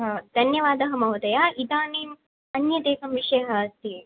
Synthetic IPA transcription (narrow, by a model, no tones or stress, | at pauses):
ɦɐd̪̥ʱɐnjɐʋaːd̪ɐɦɐmɐwɐd̪ɐjaːid̪aːneːn | ɐnjɐt̪eːkɐmʋiʂɐjɐɦɐst̪i